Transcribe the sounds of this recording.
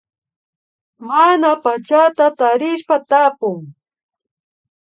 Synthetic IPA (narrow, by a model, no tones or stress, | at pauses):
manapat͡ʃat̪at̪aɾɪʃpat̪apʊŋ